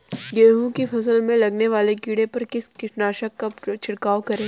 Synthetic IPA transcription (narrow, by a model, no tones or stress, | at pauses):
ɡeːɦũkifɐs̬əlmẽlɐɡneʋaːleɡiːɽepɐɾkɪskɪʃnaːʃəkːat͡ʃʰɪɽkaːokɐɾẽː